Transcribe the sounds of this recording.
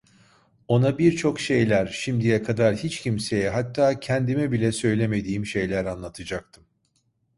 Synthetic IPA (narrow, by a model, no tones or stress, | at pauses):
o̞nabiɾt͡ʃʰo̞kʃe̞jlʲæɾʃimd̪ijɛkʰad̪aɾhit͡ʃcʰimse̞jɛɦat̪ʰːaːcʰɛnd̪imɛbilʲɛsø̞jlʲe̞me̞d̪iːmʃe̞jlʲæɾanlˠat̪ʰɯd͡ʒak̚t̪ʰɯm